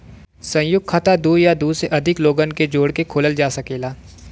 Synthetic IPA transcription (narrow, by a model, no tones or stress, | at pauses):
sɐ̃jʊɡ̚kʰat̪ad̪uːjad̪uːseʔɐd̪ʱɪkloːɡənked͡ʒoːɽkekʰoːləld͡ʒaːsɐkeːlaː